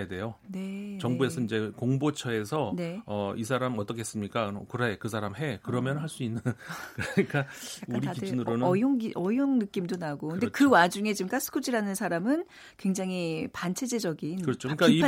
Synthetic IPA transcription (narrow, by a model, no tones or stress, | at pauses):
ede̞jonet͡ɕʌŋbue̞sʰʌind͡ʑe̞koŋbot͡ɕʰʌe̞sʰʌne̞ʌis̬ʰaɾamʌt͈ʌkʰeɦes͈ɯmɲik͈akɯɾekɯsʰaɾamɦe̞kɯɾʌmjʌnɯnɦaɭs͈uinːɯnkɯɾɲik͈aauaɾikiinɯɾonʌjoŋiʔʌjoŋnɯk͈imdonaɡokɯndekɯwad͡ʑuŋe̞t͡ɕimk͈ʰas͈ʰɯ̥kʰud͡ʑiɾanɯnsʰaɾamɯn | kwe̞ŋd͡ʑaŋɦipant͡ɕʰe̞d͡ʑe̞d͡ʑʌɡinkɯɾʌt͡ɕʰokɯɲik͈ai